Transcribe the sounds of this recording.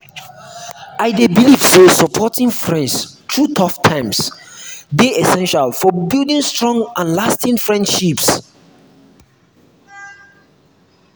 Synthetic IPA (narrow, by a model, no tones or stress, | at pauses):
aɪdebilivsosɔpʰɔtĩŋfɹɛ̃ndstʰɹutʰɔftʰãɪ̃ms | deɛsɛ̃nʃalfɔbilˠdĩŋstɹɔ̃ŋɡãnlastĩŋfɹɛ̃ndʃips